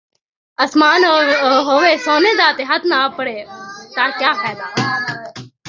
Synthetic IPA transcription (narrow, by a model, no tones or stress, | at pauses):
ɐsmaːnɦoːʋeːsoːneːd̪aːt̪eɦɐt̪ʰnãːpəɽeːt̪aːɾkjaːpʰɛːd̪aː